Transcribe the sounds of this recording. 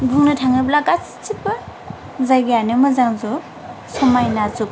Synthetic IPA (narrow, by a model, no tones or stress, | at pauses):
ɡuŋnɯtʰaŋɯblakat͡si̥t͡ʃipɯ | zajɡejanɯmɯzaŋzɔ | sɔmajnazuk̚